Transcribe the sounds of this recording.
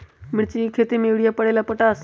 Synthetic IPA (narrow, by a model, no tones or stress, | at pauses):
mɪɽt͡ɕikʰet̪emeʋɽijapəɽelapəʈas